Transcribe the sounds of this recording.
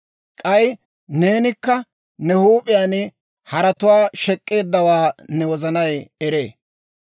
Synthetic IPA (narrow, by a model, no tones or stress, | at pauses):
kʼɐj | ne̞ːnɪkːɐ | nɛhuːpʼɪjaːn | hɐɾɐt̪ʊwaːʃɛkʼːe̞ːd̪ːɐwaːnɛwɔzɐnɐjɛɾe̞ː